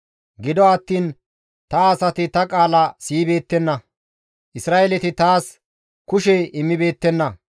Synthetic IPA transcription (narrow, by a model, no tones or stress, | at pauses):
ɡɪd̪ɔɐt̪ːiːn | t̪ɐːsɐt̪ɪt̪ɐkʼaːlɐsiːbe̞ːt̪ːɛnːɐ | ʔɪsɾaːʔelɛt̪ɪt̪aːs | kʊʃɛɪmːɪbe̞ːt̪ːɛnːɐ